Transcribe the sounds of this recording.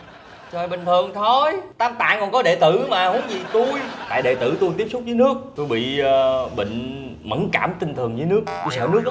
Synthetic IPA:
t͡ɕɔ˨˩jɓï˨ŋ̟t̪ʰɨ˨˩əŋt̪ʰo˧jt̪aː˧mt̪a̰ː˧˨ŋkɔ˨˩nkɔ˨˦ɗe˧˨t̪ɨ˧˩maː˨˩hu˨˦ənzi˨˩t̪u˧jt̪a̰ː˧˨jɗḛ˧˨˩t̪ɨ̰˧˩t̪u˧jt̪i˦˥əp̚sʊ˦˥k͡p̚vɨ˨˦nɨ˦˥ək̚t̪u˧jɓḭ˧˨˩ɓḭ˧˨ŋ̟ | mə˧˩˦nka̰ː˧˩mt̪ï˧ŋt̪ʰɨ˨˩əŋzɨː˨˦nɨ˦˥ək̪̚i˧˩səː˧˩wnɨ˦ək̚

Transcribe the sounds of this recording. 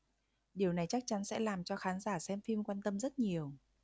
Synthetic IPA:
ɗi˨˩əwna˨˩jt͡ɕa˦˥k̚t͡ɕa˨˦nsɛ̰˧˥laː˨˩mt͡ɕɔ˧xaː˨˦nzaː˧˩sɛ˧mfi˧mkwaː˧nt̪ə˧mzə˦˥t̚ɲi˨˩əw

